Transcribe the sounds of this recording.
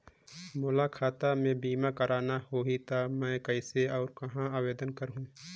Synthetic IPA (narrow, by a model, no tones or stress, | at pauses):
moːlakʰaːt̪amẽbiːmakəɾaːnahoɦit̪amɛ̃ːkəɪseɔːɾkɐɦãaːweːd̪ənkəɾɦũː